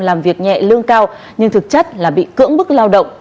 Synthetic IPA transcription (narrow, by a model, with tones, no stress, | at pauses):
laː˨˩mvi˨˩ək̚ɲɛ̰˧˨lɨ˧əŋkaː˧w | ɲɨ˧ŋt̪ʰɨ˨˩k̚t͡ɕə˦˥t̚laː˨˩ɓḭ˧˨kɨ̰˧˥əŋɓɨ˦˥k̚laː˧wɗə̰˧˨wŋ͡m